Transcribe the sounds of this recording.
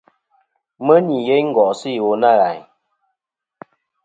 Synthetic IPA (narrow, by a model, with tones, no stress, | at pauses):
mə˦ni˨ɣe˦ɲŋ̩˦ɡɔ˨ʔsi˦˨wo˨na˦˨ɣa˨ɲ